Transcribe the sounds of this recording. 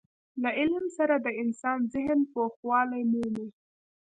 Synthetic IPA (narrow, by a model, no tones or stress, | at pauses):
laʔɪlmsaɾad̪əɪnsɑnzɪɦnpoxwɑlajmuni